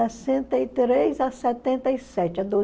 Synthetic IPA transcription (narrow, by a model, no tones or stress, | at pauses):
ɛsẽnt̪ɐit̪ɾejzɐsɛt̪ẽnt̪ɐisɛt͡ʃɪɐd̪o